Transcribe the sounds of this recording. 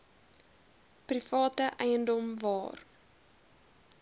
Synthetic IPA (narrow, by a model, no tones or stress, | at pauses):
prifɑːtəʔɛjəndɔmvɑːr